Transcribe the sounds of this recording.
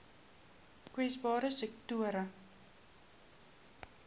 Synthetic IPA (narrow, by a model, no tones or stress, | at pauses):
kwisbɑːɾəsɛk̚tuəɾə